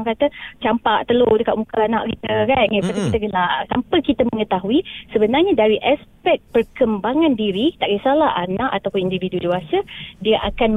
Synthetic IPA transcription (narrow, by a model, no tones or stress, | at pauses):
ŋkat̪ət͡ʃampaʔt̪əlodəkaʔ̪̚mukanaʔɾit̪əkaŋəpat̪ikit̪aɡəlaʔsampəkit̪əməŋət̪aɦuisəbənarɲadaɾiʔaspɛk̚pərkəmbaŋãndiɾit̪aʔɡisalahʔanãʔat̪awpʊnindividudiwasədiəʔakan